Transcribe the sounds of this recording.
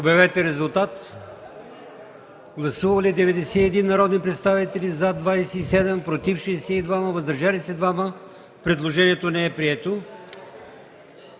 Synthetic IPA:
obɛvɛt̪ɛɾɛzulˠt̪at̪ | ɡlˠɐsuvɐlid̪ɛvɛd̪ɛsɛɛd̪inːɐɾɔd̪nnpɾɛt̪st̪avit̪ɛlizad̪vajsɛisɛd̪ɛmpɾot̪ifʃɛsɛid̪vaməvɐzd̪ɐɾʒalisɛd̪vamə | pɾɛd̪lˠoʒɛniɛt̪onɛɛpɾiɛt̪o

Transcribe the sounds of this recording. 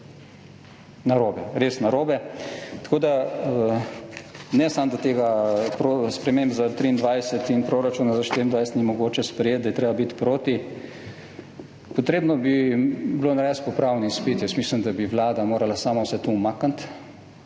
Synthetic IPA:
naɾoːbɛɾesnaɾoːbɛt̪ḁkoːd̪a | nɛsamd̪at̪eːɡapɾospɾɛmembzat̪ɾiːnd̪ʋajsɛt̪inpɾoːɾat͡ʃuːnazaʃt̪iɾind̪ʋajsɛt̪nimɔɡoːt͡ʃɛspɾɛjeːt̪̚d̪ajɛt̪ɾeːbabit̪pɾoːt̪i | pɔt̪ɾeːbnɔbibloːnaɾɛspɔpɾawnispit̪jɛsmiːsləmd̪abiʋlaːd̪amoːɾalasaːmawsɛt̪umakant̪

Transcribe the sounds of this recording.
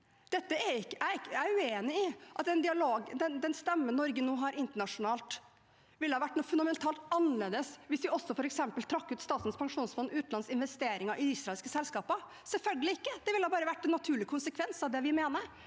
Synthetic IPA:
d̪̥ɛt̪ːəɛɪkːəæɪæʉeːnɪɪʔɑt̪d̪ɛnd̪ɪɑloːɡd̪ɛnd̪ɛnst̪ɛmːənːɔɾɡənuːɦɑɾɪnt̪əɳɑʂʊnɑːlt̪ | ʋɪlːhɑːʋæʈːnuːfʉnd̪ɑmɛnt̪ʰɑːlt̪ɑnːəleːd̪əsʋɪsʋɪʔɔsːɔfɔɾɛksɛmpəlt̪ʰɾɑkːʉːt̪st̪ɑːt̪nspʰɑŋʂuːnsfɔnːʉːt̪n̩ɑnsɪnʋɛst̪eːɾɪŋɑɾʔɪd̪isɾɑɛlskəsɛlskɑːpə | sɛlfœlɡəlɪɪkːəd̪ɛʋɪlːhɑːbɑːɾəʋæʈːɛnːɑt̪ʰʉːɭɪkʰʊnsəkʰʋɛnsɑʋd̪ɛʋɪmeːnəɾ

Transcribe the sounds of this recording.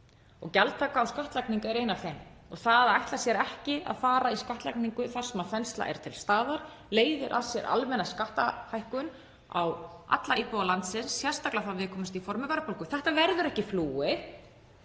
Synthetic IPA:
ɔɣcɛlt̪ʰakaːwskaht̪lajkniŋkaɛɾejnafɛnɔɣθaðajht̪lḁsjɛɾɛhcɪa̰ðfaːɾaiskaht̪la̰jkniŋkʏθaɾ̥sɛmaðfɛnst̪la̰ʔɛ̰ɾ̥t̪ʰɪlst̪aːðaɾ̥ | leːjðʏɾʔa̰ðsjɛɾʔa̰lmɛnːaskaht̪ahajhkʏn | a̰wa̰t̪laipowalant̪sɪnsːjɛr̥st̪aklaθaðvɪðkʰɔːmɪst̪ifɔɾmɪpajɾapʰowlkʏθɛht̪avɛɾðʏɾɛhcɪfluːwɪ

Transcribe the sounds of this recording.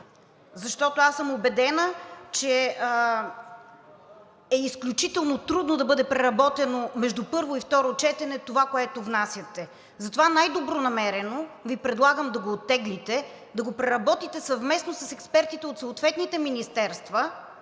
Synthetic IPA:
zɐʃt̪ɔt̪oasəmobɛd̪ɛnət͡ʃɛ | ɛisklʲut͡ʃit̪ɛlˠnot̪ɾud̪nod̪ɐbɤd̪ɛpɾɛɾɐbɔt̪ɛnomɛʒd̪upɤɾvoift̪ɔɾot͡ʃɛt̪ɛnɛt̪ovakoɛt̪ovnasʲjət̪ɛ | zɐt̪ovanajd̪obɾonɐmɛɾɛnovipɾɛd̪lˠaɡəmd̪ɐɡoːt̪ːɛɡlit̪ɛ | d̪ɐɡopɾɛɾɐbɔt̪it̪ɛsɐvmɛsnosɐsɛkspɛɾt̪it̪ɛot̪soːt̪vɛt̪nit̪ɛminist̪ɛɾst̪və

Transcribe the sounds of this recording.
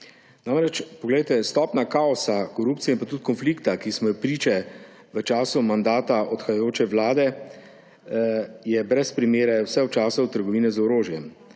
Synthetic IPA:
naːmɾɛt͡ʃpɔɡlɛjt̪ɛst̪ɔːpnakaːɔsakɔɾuːpt̪siɛinmpat̪ut̪kɔnfliːkt̪akismɔjɔpɾiːt͡ʃɛ | ʋət͡ʃaːsumand̪aːt̪aʔɔt̪xajajoːt͡ʃɛʋlaːd̪ɛ | jɛbɾɛspɾimeːɾɛwsɛwt͡ʃaːsawt̪əɾɡɔʋiːnɛzɔɾoːʒjɛm

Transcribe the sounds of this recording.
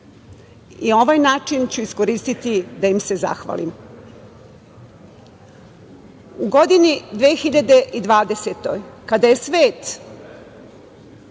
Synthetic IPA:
io̞ʋaːjnaːt͡ʂint͡ɕuisko̞ɾiːst̪it̪id̪ajimse̞za̰xʋa̰lḭm | uɡo̞d̪inid̪ʋeːxiʎad̪e̞ʔid̪ʋaːd̪e̞set̪o̞̰jkad̪aje̞sʋe̞ːt̪

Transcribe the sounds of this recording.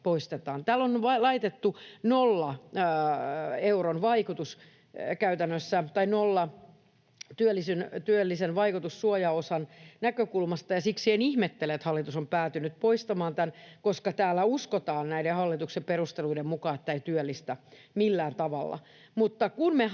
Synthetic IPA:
poist̪et̪ɑːnt̪æːlːonʋɑlɑit̪et̪ːunolːɑ | euronʋɑikut̪us | kæyt̪ænːøsːæt̪ɑinolːɑ | t̪yølːˑisynt̪yølːisenʋɑikut̪usːuojɑosɑnnækøkulmɑst̪ɑjɑsiksienihmet̪ːeleet̪hɑlːit̪usompæːt̪ynyt̪̚poist̪ɑmɑːnt̪ænkoskɑt̪æːlːæuskot̪ɑːnnæidehɑlːit̪uksemperust̪eluidemmukɑːet̪ːæeit̪yølːist̪æ | milːæːnt̪ɑʋɑlːɑ̰ | mut̪ːɑkunme

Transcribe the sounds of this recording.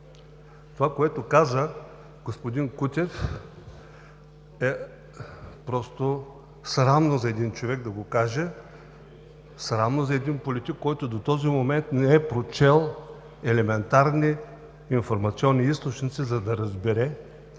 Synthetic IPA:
t̪ovakoɛt̪okazə | ɡospod̪inkut̪ʲɛf | ɛ | pɾɔst̪o | sɾamnozɐɛd̪int͡ʃovɛɡd̪ɐɡokaʒɛ | sɾamnozɐɛd̪inpolʲit̪ikːɔjt̪od̪ot̪ɔzimomɛnt̪nɛɛpɾot͡ʃɛlˠ | ɛlɛmɛnt̪aɾniː | nfoɾmɐt̪siɔnːiist̪ot͡ʃnʲit̪sizɐd̪ɐɾɐzbɛɾɛ

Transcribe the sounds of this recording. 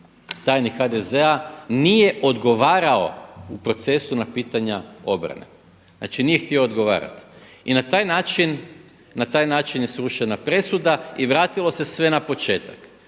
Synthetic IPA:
t̪ajnixad̪e̞zeanije̞ʔo̞d̪ɡo̞ʋaːɾao̞̰upɾo̞t̪se̞sunapiːt̪aɲao̞bɾa̰nḛ | na̰t͡ʃinijext̪io̞ːd̪ɡo̞ʋa̰ːɾa̰t̪ | inat̪aːjnaːt͡ʃinː | at̪aːjnaːt͡ʃinje̞sɾuʃenapɾe̞sud̪aiʋɾaːt̪ilˠo̞se̞sʋe̞napo̞t͡ʃe̞ːt̪ḁk

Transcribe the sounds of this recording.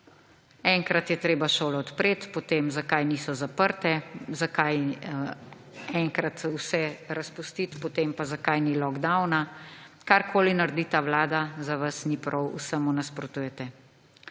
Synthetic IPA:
ɛŋkɾat̪jɛt̪ɾeːbaʃoːlɔɔt̪pɾeːt̪pot̪eːmzakajniːsɔzapəɾt̪ɛzakaj | ɛŋkɾat̪usɛɾaspust̪it̪pot̪eːmpazakajnilɔɡd̪awnakaɾkʰoːlinaɾd̪iːt̪awlaːd̪azaʋasnipɾʔɔwṵsəmunaspɾɔt̪uːjɛt̪ɛ

